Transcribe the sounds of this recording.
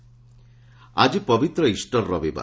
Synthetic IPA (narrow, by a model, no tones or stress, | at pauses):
a̰d͡ʒipɔbit̪ɾɔisʈɔɾːɔbiba̰